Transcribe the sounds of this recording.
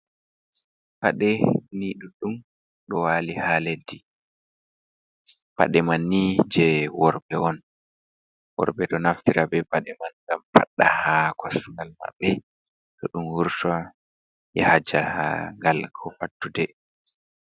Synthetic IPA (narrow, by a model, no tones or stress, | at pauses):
paɗɛniɗuɗum | ɗɔwalihaledːi | pa̰ɗɛmanːid͡ʒɛwɔɾbɛʔɔn | wɔ̰ɾbɛɗɔnaftiɾabɛpaɗɛmanŋɡampa̰ɗːa̰hakʰɔsŋɡalma̰ɓːɛ | ɗɔɗumhuɾta | jɛhad͡ʒaha̰ŋɡalkʰɔfatːudɛ